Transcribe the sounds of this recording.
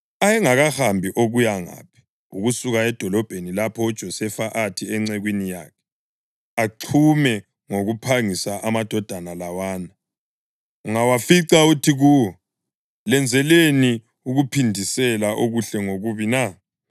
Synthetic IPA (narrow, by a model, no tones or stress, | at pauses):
ajɛŋaɣahambʱiʔoɣujaŋa̰ːpʰi̥ | uɣusuɣaɛd̥ʱɔlɔb̥ʱenilapʰɔɔd̥ʒ̥ʱɔsɛfaʔatʰiɛŋ͡ǀɛɣwinija̰ːkʰɛ̥ | aǃʰumɛ | ŋoɣupʰaŋisaʔamad̥ʱɔd̥ʱanalawaːna | uŋawafiǀautʰiɣuwɔ | lɛnd͡zʱɛleni | uɣupʰindʱisɛlaʔoɣuɬɛŋoɣuβina